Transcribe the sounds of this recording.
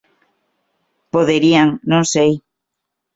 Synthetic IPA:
poðeɾiaŋnõŋsej

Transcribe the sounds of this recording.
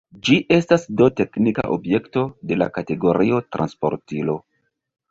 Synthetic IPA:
d͡ʒiʔe̞stasdo̞te̞knika̰ʔo̞̰bje̞kto̞de̞la̰kate̞ɡo̞ɾio̞tɾʔa̰nspo̞̰ɾtilo̞

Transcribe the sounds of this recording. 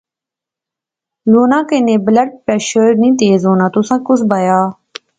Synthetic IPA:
loːnãːkenẽːbləɖ̚pɾɛːʃəɾnĩːt̪eːzɦoːnãːt̪ʊsãːkʊsbajaː

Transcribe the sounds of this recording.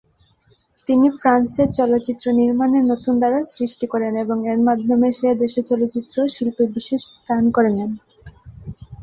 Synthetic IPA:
t̪inifɾanseɾt͡ɕɔlot̪ːɕit̪ːɾoniɾmaneɾnot̪und̪aɾasɾiʃʈikoɾeneboŋeɾmad̪ʱːomeʃed̪eʃeɾt͡ɕɔlotːt͡ɕit̪ːɾoʃilpubiʃeʃst̪ʰankoɾenen

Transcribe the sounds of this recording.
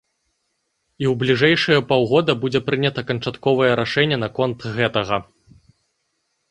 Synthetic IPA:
iwblʲiʐɛjʂɨjɐpɔwɣɔd̪ɐbud͡zʲɛpɾɨnʲɐt̪ɐkɐnt͡ʂat̪kɔvɐjɛɾaʂɛnʲːɛnɐkɔnt̪ɣɛt̪ɐɣɐ

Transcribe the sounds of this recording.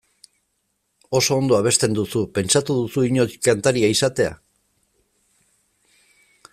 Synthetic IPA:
o̞so̞ːnd̪o̞aβ̞e̞st̪e̞nd̪usupe̞nt͡ʃat̪uðusuiɲo̞kant̪aɾiaisat̪e̞a̰

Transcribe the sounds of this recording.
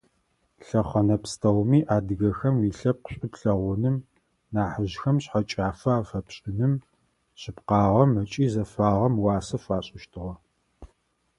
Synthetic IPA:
ɬɐχɐnɐpstʰɐwmiːʔaːdɨɣɐxɐmiɬɐp̚qɕʷʼɪpɬɐʁʷʊnɨm | naːħəʑxɐmɕħat͡ʃʼaːfɐaːfɐpɕʼɪnɨm | ɕɪpqɑːʁɐmɐt͡ʃʼiːzɐfaːʁɐmwɑːsɐfaːɕʼɪʃtʰɨʁɐ

